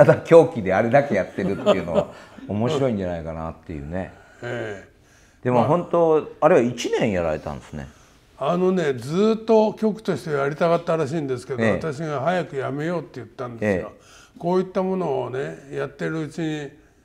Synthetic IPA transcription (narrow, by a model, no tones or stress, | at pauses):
t̪ad̪akʲo̞ːkʲid̪e̞aɾe̞d̪ake̞jat̪ːe̞ɾɯ̟t̪ːjɯ̟no̞a̰omo̞ɕsɕiɾo̞ĩɲ̟d͡ʑanaikana̰t̪ːe̞̰jɯ̟̰ːne̞̰ | eː | d̪̥e̞moɦõ̞nt̪o̞aɾeβait͡ɕinẽ̞ɰ̃jaɾa̰ɾe̞t̪ã̰nd̪esɨnḛ | ano̞ne̞d͡zɨːt̪ːo̞kʲo̞kɯ̟̥t̪o̞ɕi̥t̪e̞βajaɾʲit̪aɣat̪ːaɾaɕ̬iːnd̪e̞sɨ̥ke̞d̪oaat̪aɕ̬iɡaɦajakɯ̟jame̞jo̞ːt̪ːe̞jɯ̟t̪ːãnd̪esːɡa | ko̞ːit̪ːamo̞no̞ːne̞jat̪ːe̞ɾɯ̟ɯt͡ɕiɲi